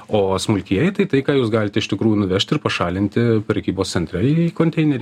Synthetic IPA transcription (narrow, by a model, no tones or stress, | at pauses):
oːsmʊlʲkʲiɛjɛɪt̪ɐɪt̪ɐɪkɑːjuːsɡɑːlʲɪt̪ʲɛɪʃt̪ʲɪkɾuːjuːnʊʋʲɛʃʲt̪ʲɪɾpɐʃɑːlʲɪnʲt̪ʲɪpʲɾʲɛkʲiːboːssʲɛnʲt̪ɾʲɛiːiːkoːnʲt̪ʲɛɪnʲɛɾʲi